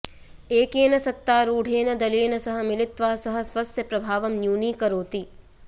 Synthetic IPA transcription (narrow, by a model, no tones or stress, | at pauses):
eːkeːnɐsɐt̪ːaːɾuːɽʱeːnɐd̪ɐleːnɐsɐɦɐ̆milit̪ʋaːsɐɦɐ̆sʋɐsjɐpɾɐbʱaːʋɐmnjuːniːkɐɾoːt̪i